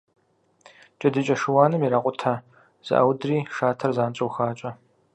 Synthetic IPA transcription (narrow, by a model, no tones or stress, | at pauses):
t͡ʃʼɐdɨt͡ʃʼɐʂɨwaːnɨmiɾaːqʷʊtʰa | z̥ɨ̰ʔɐ̰wdriːʂaːtʰɐrzaːnt͡ʃʼɐwxaːt͡ʃʼɐ